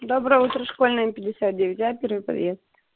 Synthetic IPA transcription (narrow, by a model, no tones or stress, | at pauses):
d̪obɾəjəut̪ɾəʂkolʲnəjəpʲɪdʲɪsʲat̪̚dʲevʲɪtʲjapʲervɨjpɾɐ̰vʲet̪st̪